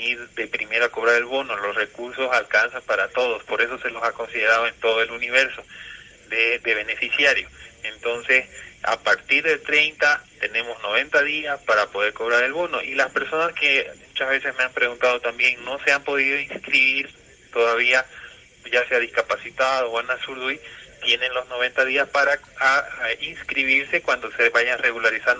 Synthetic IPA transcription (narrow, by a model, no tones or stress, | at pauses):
iɾd̪e̞pɾime̞ɾoako̞β̞ɾaɾe̞lβo̞no̞lo̞sre̞kuɾso̞salkansampaɾat̪o̞ðo̞spo̞ɾe̞so̞se̞lo̞sako̞nsiðe̞ɾað̞oe̞nt̪o̞ðoeluniβe̞ɾso̞ | ðed̪eβ̞e̞ne̞fisjaɾjo̞ent̪o̞nse̞sa̰paɾt̪iɾðe̞t̪ɾe̞jnt̪at̪e̞nẽ̞mo̞zno̞β̞e̞nt̪aðiaspaɾapo̞ðe̞ɾko̞βɾaɾe̞lβo̞noʔilaspe̞ɾso̞naske̞mut͡ʃazβe̞sehmeampɾeɣunt̪aðo̞t̪ambje̞ŋno̞seampo̞ð̞iðoinskɾiβiɾ | t̪oðaβia | ʝaseaðiskapasit̪aðoanasuɾðuit̪je̞nenlo̞znoβ̞e̞nt̪aðiaspaɾaainskɾiβiɾsekwand̪oseβajareɣulaɾisan